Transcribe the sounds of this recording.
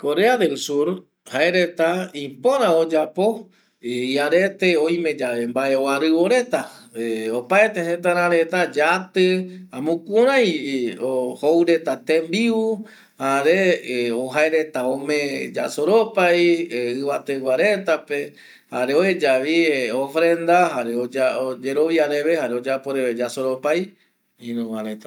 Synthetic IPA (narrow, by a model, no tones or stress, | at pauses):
ko̞ɾe̞aðelsuɾ | haeɾe̞t̪aĩpõɾ̃ãod͡ʒapo̞ | iaɾe̞t̪eojme̞d͡ʒaʋembaeoaɾɨβoɾe̞t̪a | opaet̪eɦet̪̬aɾ̃ãɾe̞t̪ad͡ʒat̪ɨãmũkũɾãjohowɾe̞t̪at̪embiu | haɾeoɦaeɾe̞t̪aõmẽd͡ʒa̰soɾopajɨβat̪ewaɾe̞t̪ape̞ | haɾeoed͡ʒaʋiofɾẽ̞nd̪aɦaɾeod͡ʒaod͡ʒeɾoʋjaɾeβehaɾeod͡ʒapoɾeed͡ʒasoɾopaj | ĩnũɾãɾet̪ḁ